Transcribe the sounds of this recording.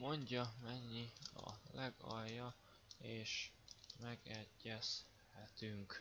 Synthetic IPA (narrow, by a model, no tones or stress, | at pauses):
mo̞ɲɟɒmɛɲːiɒ̰lɛɡɒjːɒ | eːʃmɛɡɛɟːɛs | hɛt̪yŋk